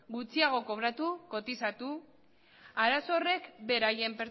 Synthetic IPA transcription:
ɡut͡siaɣ̞o̞ko̞β̞ɾat̪uko̞t̪isat̪u | aɾaso̞re̞kbe̞ɾaje̞mpeɾ

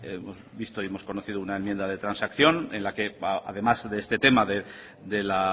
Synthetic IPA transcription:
emo̞zβist̪oie̞mo̞sko̞noθiðounae̞mje̞nd̪aðe̞t̪ɾansakθjo̞nẽ̞nlake̞a̰ðe̞mazðeest̪e̞t̪e̞maðe | d̪e̞la

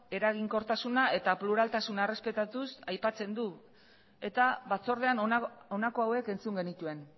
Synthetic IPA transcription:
e̞ɾaɣ̞iŋko̞ɾt̪asunae̞t̪apluɾalt̪asunaere̞spe̞t̪at̪usajpat͡se̞nd̪u | e̞t̪aβat͡so̞ɾð̞e̞anonako̞awe̞ke̞nt͡suŋɡe̞nit̪ue̞n

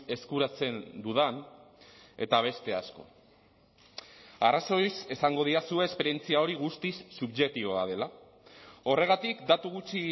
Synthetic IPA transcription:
e̞skuɾat͡se̞nd̪uðan | e̞t̪aβ̞e̞st̪e̞asko̞̰ | araso̞jsesaŋɡo̞ð̞iɾasue̞ːspe̞ɾje̞nt͡siao̞ɾiɣust̪isːuβʝe̞k̚t̪iβoað̞e̞la | o̞re̞ɣ̞at̪ikd̪at̪uɣut͡ʃi

